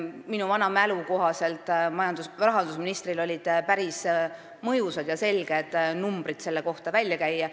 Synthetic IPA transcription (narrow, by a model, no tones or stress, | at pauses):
minuvɑnɑmæluko̞ɦɑse̞lt̪ːˑmɑjɑnd̪usrɑɦɑnd̪usminist̪ɾilo̞lʲid̪̥pæɾis | mɤjusɑd̪̥jɑse̞lɡ̥e̞d̪̥numb̥rid̪̥se̞lːeko̞ht̪ɑvælʲjɑkæjːɑ